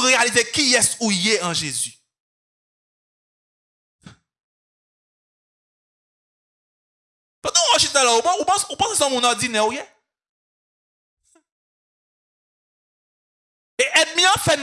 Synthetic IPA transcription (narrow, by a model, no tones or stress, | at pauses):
ʁealizekiɛsujɛɑ̃ʒezy | pãd̪ãuɔʃit̪ɛlaupãupãsupãsesɔ̃mũnɔʁdd͡zinɛuje | eʔɛd̪̚mĩãfɛn